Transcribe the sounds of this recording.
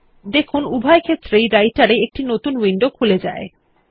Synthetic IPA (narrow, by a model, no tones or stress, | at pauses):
d̪ekʰunubʱaekʰet̪ːɾejɾajʈaɾeek̚ʈinot̪unwiɳɖokʰuled͡ʑa̰e